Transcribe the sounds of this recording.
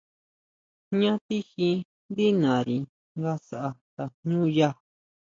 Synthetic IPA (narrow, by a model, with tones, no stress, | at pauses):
ɲã˦t̪i˦xĩ˧ | nd̪i˦nã˨ɾi˨ | ɡa˦sa˦˨ʔa˧t̪a˨ɲũː˦ja˦